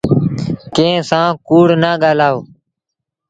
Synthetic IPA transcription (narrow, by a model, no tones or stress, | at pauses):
kẽːsãːkuːɽnaːɠaːlaːoː